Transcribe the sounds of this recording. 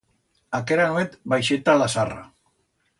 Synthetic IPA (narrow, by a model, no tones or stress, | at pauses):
akeɾanwet̪bajʃet̪alasara̰